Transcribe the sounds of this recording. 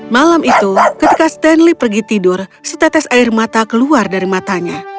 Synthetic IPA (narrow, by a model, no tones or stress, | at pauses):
malamit̪ukət̪ikast̪ɛnlipərɡit̪idʊrsət̪ɛt̪asaɪrmat̪akəluardaɾimat̪aɲa